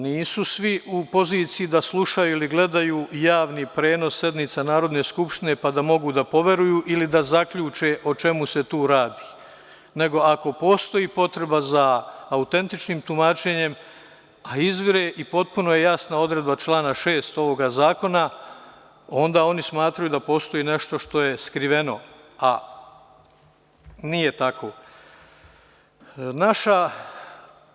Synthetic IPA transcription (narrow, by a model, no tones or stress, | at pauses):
niːsusʋiʔupo̞ziːt̪sijid̪aslˠuʃajuiliɡle̞d̪ajuːjaːʋnipɾe̞ːno̞sːe̞d̪nit̪sanaːɾo̞d̪ne̞ːskupʃt̪ine̞pad̪amo̞ɡud̪apo̞ʋe̞ɾujuːʔilid̪azakʎuːt͡ʃe̞ʔot͡ʃe̞muset̪uːɾaːd̪i̥ː | ne̞ɡo̞ako̞poːst̪o̞iːpo̞t̪ɾe̞bazaːut̪e̞nt̪it͡ʃniːmt̪umaːt͡ʃe̞ɲe̞m | aizʋɾeʔipo̞t̪̚puno̞jejasnao̞d̪ɾe̞d̪bat͡ʃlˠaːnaʃe̞ːst̪o̞ʋo̞ɡazaːko̞na | o̞nd̪aːo̞nismaːt̪ɾajud̪apo̞ːst̪o̞iːne̞ʃt̪o̞ʃt̪o̞je̞skɾiʋe̞no̞ | a | nije̞t̪akʰo̞ | naʃa